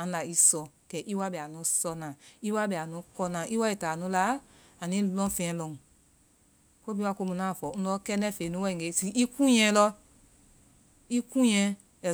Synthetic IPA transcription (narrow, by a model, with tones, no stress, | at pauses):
ã˨˦la˨i˧˦sɔ˧˨kɛ˨ʔi˦wa˦bɛ˨a˨nũ˨˦sɔ˧nã˨i˦wa˦bɛ˨a˨nũ˨˦kɔ˧nã˨ʔi˦wa˦i˨ta˨nũ˨˦la˦ | a˨nĩ˨˦lɔ̃˦fɛ̃˧ɛ̃˧˦lɔ̃˧˨ | ko˦bi˦wa˦˨ko˧mũ˧nã˨˦˨fɔ˨ũ˦lɔ˦kɛ˦nɛ̃˦˨fe˨nũ˦wɛ˦ĩ˨ɡe˨˦si˧˦ʔi˦kũ˦jɛ̃˧˦lɔ˦ | i˦kũ˦j̃ɛ̃˧˦ | ɛ˨